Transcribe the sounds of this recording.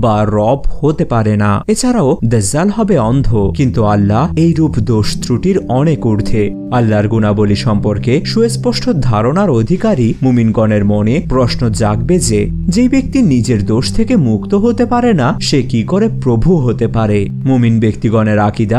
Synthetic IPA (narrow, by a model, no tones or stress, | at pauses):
baɾɔbhot̪epaɾena̰et͡ɕʰaɾaod̪əzːalɦɔbeɔnd̪ʱokint̪ualːaejɾupd̪oʃt̪ɾuʈiɾɔnekuɾd̪ʱʰe | alːaɾɡunaboliʃɔmpoɾkeʃuespɔʃʈʰod̪ʱaɾonaɾod̪ʱikaɾimuminɡɔneɾmonepɾɔʃnod͡ʑaɡbed͡ʑe | d͡ʑejbek̚t̪inid͡ʑeɾd̪oʃt̪ʰekemukt̪oɦot̪epaɾenaʃekikoɾepɾobʱuɦot̪epaɾe | muminbekt̪iɡɔneɾakid̪a